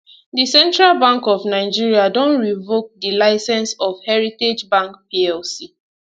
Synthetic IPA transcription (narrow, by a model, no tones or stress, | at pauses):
disɛ̃ntɹalbãŋkɔvnaɪd͡ʒiɹiadɔ̃nɹivok̚dilaɪsɛ̃nsɔfhɛɹited͡ʒbãŋkpiɛlsi